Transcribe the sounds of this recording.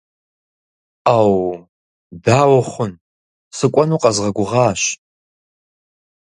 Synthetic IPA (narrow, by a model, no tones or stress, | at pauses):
aːw | daːwʊχʷʊn | sɨkʷʼɐnuqʼɐzʁɐɡʷʊʁaːʃ